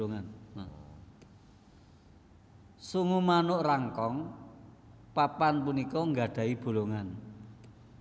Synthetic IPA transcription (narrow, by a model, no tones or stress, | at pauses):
oŋan | suŋumanʊʔraŋkɔŋ | papanpunikɔŋɡa̤ɖ̥a̤ib̥o̤loŋan